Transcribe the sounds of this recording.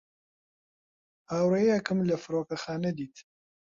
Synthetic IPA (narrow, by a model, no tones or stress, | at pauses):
aːwɾejɛkɨmlɐfɨɾoːkɐxaːnɛd̪iːt̪